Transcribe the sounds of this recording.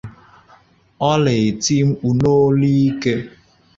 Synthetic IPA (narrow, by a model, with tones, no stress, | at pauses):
ɔ˦le˨ti˦ŋ͡m̩˦k͡pu˨no˦li˦ke˦